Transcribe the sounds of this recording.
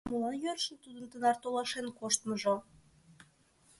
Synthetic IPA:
məlɑnjørʃə̆nt̪ud̪ə̆nt̪ənɑrt̪olɑʃenkoʃt̪məʒo

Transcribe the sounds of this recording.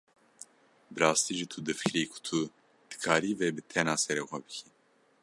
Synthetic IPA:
bɨɾɑːst̪iːʒit̪ʰud̪ɨfɨ̥kɾiːkʰʊ̥t̪ʰu | d̪̥ɨ̥kʰaːɾiːveːbɨt̪ʰɛnɑːsɛɾeːxʷɛbɨkʰi

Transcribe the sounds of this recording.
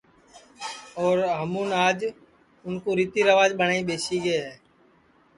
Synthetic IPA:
ɔːɾɦəmũːnaːd͡ʒ | ʊnkoːɾiːt̪iːɾəʋaːd͡ʒɓəɳaːĩːɓeːsiːɡəːɦɛː

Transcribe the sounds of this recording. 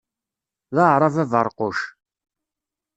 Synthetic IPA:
ðaʕɾˤɑvævəɾˤqʊʃ

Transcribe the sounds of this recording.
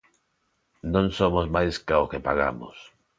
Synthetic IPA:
nõŋsomozmajskaokepaɣa̰mʊ̰s

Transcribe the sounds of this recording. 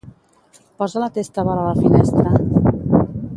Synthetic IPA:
pɔzalat̪est̪aβɔɾaləfinɛst̪ɾə

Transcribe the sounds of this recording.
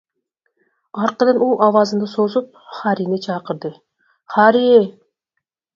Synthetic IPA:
ɑɾqɯnɯnuːʔɑvɑzɯnd̪ɯsozup̚χɑɾinit͡ʃʰɑqɯɾd̪ɯ | χɑɾie

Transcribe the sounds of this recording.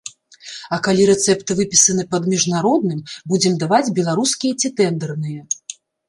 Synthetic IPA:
ɐkalʲiɾɛt̪sɛpt̪ɨvɨpʲi̥sɐnɨpɐd̪mʲiʐnaɾɔd̪̚nɨmbud͡zʲɛmd̪avad͡zʲbʲɛlˠaɾuskʲijɐt͡sʲit̪ɛnd̪ɛrnɨjɐ

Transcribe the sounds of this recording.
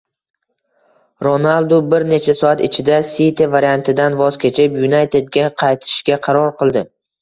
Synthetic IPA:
ɾonalˠd̪ʊbɪɾne̞t͡ʃʰasɒat̪ɪt͡ʃʰɪd̪asit̪ʰevaɾijant̪ʰɪd̪anvɒz̥kʲʰe̞t͡ʃʰɪpjunajt̪ʰe̞d̪̚ɡʲaqʰɑjt̪ʰɪ̥ʃɡʲaqʰɑɾɒɾqɨlˠd̪ɪ

